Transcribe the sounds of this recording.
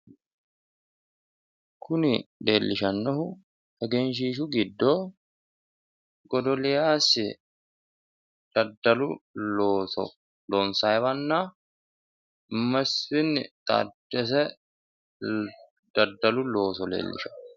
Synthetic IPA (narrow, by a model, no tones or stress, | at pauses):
kʰʊnɪleːlːɪʃɐnːɔhʊ | ɛɡɛnʃ̬iːʃ̬ʊɡɪd̪ːoː | ɡɔd̪ɔlɪjaːsɪ | d̪̥ɐd̪ːɐlʊoːsɔ̰ | loːnsajɛβɐnːaː | mɐsfɪnːɪt̪ʼa̰d̪ɛs̬ɛ | d̪̥ɐd̪ːɐlʊlo̞ːsɔlḛːlːɪ̰ʃɐ̥